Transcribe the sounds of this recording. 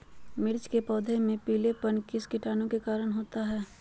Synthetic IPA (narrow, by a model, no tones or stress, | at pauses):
mɪɾt͡ʃkepɔːd̪ʱemẽpiːlepənkɪskɪʈaːnõkekaːɾəɽ̃ɦoːt̪aɦɛː